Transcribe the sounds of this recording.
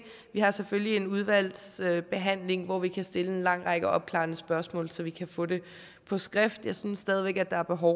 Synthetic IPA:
ʋihɑ̈seføljie̝nuðˠʋæl̰søb̥e̝ɦæn̰le̝ŋʋɒʋikʰæsd̥e̝ləe̝nlɑ̈ŋ̰ʁɑ̈ɡ̥əɒ̽b̥̚kʰlɑ̰̈ːnəsb̥ɶɐsmɔ̰̽ːlsɒ̽ʋikʰæfɔ̽d̥e̝ | pʰɒ̽sɡ̥ʁafd̥jɑ̈ɪsynsːd̥ɛːð̞ˠiʋeɡ̥æd̥ɑ̈æɐb̥e̝ɦɒʊ

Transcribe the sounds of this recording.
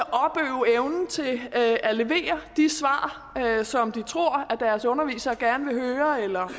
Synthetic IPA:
ʔɒ̽b̥øːʊeʊnn̩t͡sʰe̝æle̝ʋe̝̰ːɐd̥isʋɑ̰̈ː | sɒ̽md̥it͡sʰʁo̝ɐ̰æd̥æɐsɔ̽nɐʋḭːsɐɡ̥æɐnəʋe̝ɦøːɐelɐ

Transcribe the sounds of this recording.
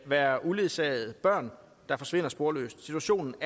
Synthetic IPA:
ʋæːɐʔuleðˠsɛ̰ɪð̩ˠb̥ɶɐ̰n | d̥ɑ̈fɒ̽sʋe̝n̰ɐsb̥o̝ɐlø̰ːsd̥sit͡sʰuæɕo̝̰ːnn̩

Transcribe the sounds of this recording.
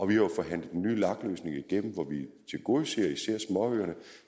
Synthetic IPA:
ɒ̽ʋihɑ̈jofɒ̽ɦæn̰lð̩ˠd̥enːy̰ːlɑ̈ɡ̥lø̰ːsne̝ŋɐiɡ̥en̰m̩ʋɒʋit͡sʰe̝ɡ̥o̝se̝̰ːɐisæɐ̰smɒ̽øːɐnə

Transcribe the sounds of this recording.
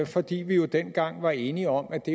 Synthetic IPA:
fɒ̽d̥ḭːʋijo̝d̥en̰ɡ̥ɑ̈ŋ̰ʋɑ̈e̝ːniɒ̽m̰æd̥e̝

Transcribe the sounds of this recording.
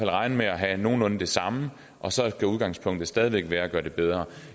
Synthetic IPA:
æl̰ʁɑ̈ɪnəmeæɦæno̝ːn̩ɔ̽n̩d̥e̝sɑ̈mə | ʔɒ̽sɒ̽ɡ̥æuðˠɡ̥ɑ̈ŋ̰spʰɔ̽ŋ̰d̥ð̩ˠsd̥ɛːðˠiʋeɡ̥ʋæːɐæɡ̥ɶːɐd̥e̝b̥eð̞ˠʁɐ

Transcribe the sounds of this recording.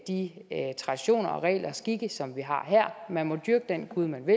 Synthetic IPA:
d̥it͡sʰʁɑ̈d̥iɕo̝̰ːnɐɒʁɛ̰ːlʔɐsɡ̥iɡ̥əsɒ̽mʋiɦɑ̈ɦeɐ̰mænmɒ̽d̥yɐɡ̥əd̥enɡ̥uðˠmænʋe̝

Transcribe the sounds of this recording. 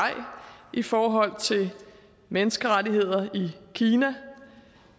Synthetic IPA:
ɑɪ̰ʔifɒːɦɒ̽l̰t͡sʰe̝ | menəsɡ̥əʁadiɦe̝ð̞̰ˠɐikʰiːnæ

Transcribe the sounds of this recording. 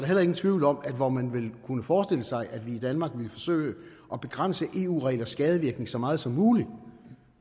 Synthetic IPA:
ɾ̥ɑel̰ɐe̝ɡ̥n̩t͡sʰʋiʊl̩ɒ̽m̰æd̥ʋɒmænʋe̝lkʰunəfɒːsd̥e̝l̰əsɑ̈ɪʔæd̥ʋiːd̥ænmɑ̈ːɡ̥ʋe̝lfɒ̽sø̰ːɪ̰ə | ʔɒ̽b̥e̝ɡ̥ʁan̰səʔe̝̰ːṵːʁɛ̰ɪlɐsɡ̥ɛːð̞ˠəʋiɐɡ̥ne̝ŋsɒ̽mɑ̈ːð̞̩ˠsɒ̽mːuːli̥

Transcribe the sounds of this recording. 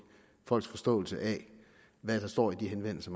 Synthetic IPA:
fɒ̽l̰ɡ̥sfɒ̽sd̥ɔ̰̽ːl̩səʔæ | ʋæd̥ɑ̈sd̥ɒ̰ːid̥iɦenʋen̰l̩səm

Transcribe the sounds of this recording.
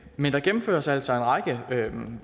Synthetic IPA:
mend̥ɑ̈ɡ̥emm̩fø̰ːɐsæl̰sɒ̽e̝nʁɑ̈ɡ̥əø

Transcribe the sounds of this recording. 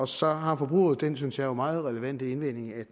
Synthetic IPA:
ɒ̽sɒ̽ɦɑ̈fɒ̽b̥ʁṵːð̩ˠd̥ensynsjɑ̈jomɑ̈ːð̞̩ˠʁɛləʋæn̰d̥əenʋen̰e̝ŋæ

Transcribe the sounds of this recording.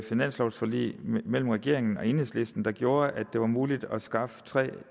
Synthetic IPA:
finæn̰slɒʊsfɒlḭːmel̰m̩ʁɛɡ̥e̝ɐ̰e̝ŋn̩ɒ̽e̝nhḛsle̝sd̥n̩d̥ɑ̈ɡ̥jo̝ːɐʔæd̥e̝ʋɑ̈muːlid̥ɒsɡ̥ɑ̈fə̥t͡sʰʁɛ̰ː

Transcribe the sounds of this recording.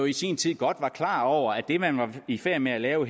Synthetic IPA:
oisḭnt͡sʰið̰ˠɡ̥ɒ̽d̥ʋɑ̈kʰlɑ̰̈ːɒʊ̰ɐæd̥e̝mænʋɑ̈ifæɐ̰meælɛːʊɦ

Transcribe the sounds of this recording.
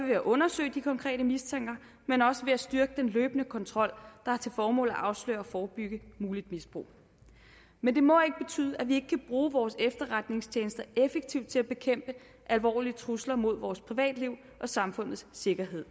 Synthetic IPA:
ʋeæʔɔ̽nɐsø̰ːɪd̥ikʰɒ̽ŋkʰʁɛ̰ːdəmist͡sʰeŋ̰ɡ̥ɐ | menɒ̽səʋe̝æsd̥yɐɡ̥əd̥enløːb̥nəkʰɒ̽nt͡sʰʁɒ̽l̰d̥ɑ̈hɑ̈t͡sʰe̝lfɒːmɔ̰̽ːl̩ˠæʔɑ̈ʊslø̰ːɐɒfɒːb̥yɡ̥əmuːlid̥misb̥ʁṵː | mend̥e̝mɒ̽e̝ɡ̥əb̥e̝t͡sʰy̰ːðˠəæʋie̝ɡ̥kʰæb̥ʁuːʋɒːsefd̥ɐʁad̥ne̝ŋst͡ɕʰjeːnəsd̥ɐefeɡ̥̚t͡sʰiʊ̰d̥̚t͡sʰe̝læb̥e̝kʰem̰b̥ə | ʔælʋɒ̰ːliət͡sʰʁuslɐmo̝ð̞̰ˠʋɒːspʰʁiʋɛ̰ːd̥liʊ̰ | ʔɒ̽sɑ̈mfɔ̽n̰ð̩ˠsse̝ɡ̥ɐɦe̝ð̞̰ˠ

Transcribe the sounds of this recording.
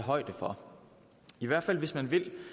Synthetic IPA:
eɦɒ̽ɪ̰d̥əfɒ̽ | iʋæɐ̰̥fæl̰ʋe̝smænʋe̝l

